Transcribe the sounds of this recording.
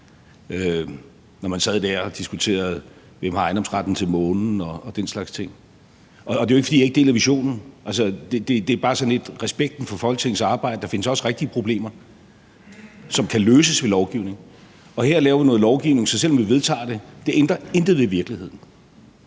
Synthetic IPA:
ø | nɒmænsɛð̞ˠd̥æɐ̰ɒd̥isɡ̥ut͡sʰe̝̰ːɐð̞̩ˠ | ʋem̰hɑ̈ɑ̈ɪndɒ̽msʁɑd̥n̩t͡sʰe̝lmɔ̽ːnn̩ɒ̽ːd̥enslɑ̈ɡ̥st͡sʰe̝ŋ̰ | ɒːde̝joeɡfdḭjɑeɡ̥əd̥e̝̰ːlæʋiɕo̝̰ːnn̩ʔælsəd̥e̝d̥e̝d̥e̝æɐb̥ɑ̈ːsɒ̽ne̝d̥ʁɛsb̥eɡ̥̚d̥n̩fɒ̽fɒ̽l̰ɡ̥t͡sʰe̝ŋn̩sɑ̈ːb̥ɑ̈ɪ̰d̥əd̥ɑ̈fe̝nəsɒ̽sʁeɡ̥̚d̥iəpʰʁo̝b̥le̝̰ːmɐ | sɒ̽mkʰæløːsəsʋe̝lɒʊɡ̥iʊne̝ŋ̩ | ɒ̽heɐ̰lɛːʊɐʋinɔ̽ːð̩ˠlɒʊɡ̥iʊne̝ŋsɒ̽sel̰ːɒ̽mʋiʋe̝ð̞ˠt͡sʰɑ̰̈ːd̥e̝d̥e̝ʔend̥ʁɐend̥ðʋeʋiɐɡ̥lihe̝ð̰ˠn̩

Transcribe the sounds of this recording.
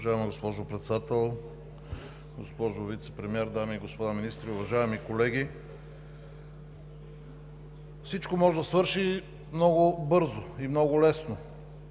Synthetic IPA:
ʒaɛmiɡospɔʒopɾɛt̪sɛd̪at̪ɛlˠ | ɡospɔʒovit̪sɛ̥pɾɛmiɛɾd̪amiːɡospod̪aminist̪ɾiʊvɐʒaɛmikolɛɡʲi | fsit͡ʃkomɔʒɛd̪ɐsvɤɾʃi | mnɔɡʊbɤɾzoimnɔɡʊlɛsno

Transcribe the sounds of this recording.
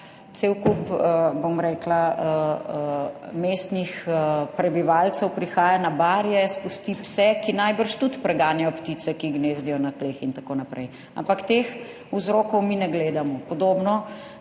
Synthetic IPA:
t̪sewkupəbomɾɛːklaə | meːst̪nixəpɾɛbiʋalt̪sɛwpɾixaːjanabaːɾjɛspust̪ipsɛkinajbəɾʃt̪ut̪pɾɛɡaːnjajɔpt̪it̪sɛkiɡneːzd̪ijɔnat̪lexint̪akoːnapɾɛ̰j | a̰mpakt̪ex | uzɾoːkɔwminɛɡleːd̪amɔpɔd̪oːbnɔ

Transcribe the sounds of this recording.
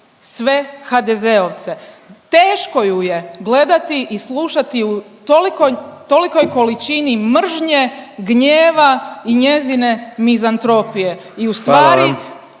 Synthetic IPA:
sʋe̞xad̪e̞zeoʋt̪se̞ | t̪eːʃko̞juje̞ɡle̞d̪at̪iʔisluʃat̪iu | t̪olikojt̪o̞liko̞jko̞lit͡ʃinimr̩ʒɲe̞ɡɲeːʋaiɲe̞zine̞mizant̪ɾo̞pije̞ | iust̪ʋaːɾi

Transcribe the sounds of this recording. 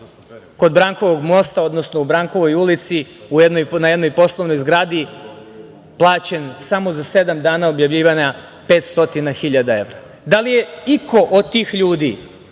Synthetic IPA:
ko̞d̪bɾaŋko̞ʋo̞ɡmo̞st̪ao̞d̪no̞sno̞ubɾaːŋko̞ʋo̞julit̪si | ujed̪nojnajed̪no̞jpo̞slˠoʋno̞jzɡɾaːd̪i | plˠaːt͡ɕensamo̞zase̞d̪amd̪aːnaobjavʎiːʋaɲa | pe̞ːt̪st̪o̞t̪inaxiʎad̪ae̞ʋɾa | d̪alijeiko̞ʔod̪̚t̪ːiːxʎuːd̪ḭ

